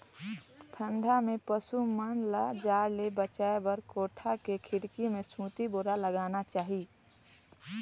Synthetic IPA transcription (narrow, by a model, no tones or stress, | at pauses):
pʰə̃nd̪ʱamẽpəsumənlad͡ʒaːɾlebət͡ʃaːebəɾkoːʈʰakekʰɪɽkimẽsũt̪iboːɾaləɡaːnat͡ʃaːɦi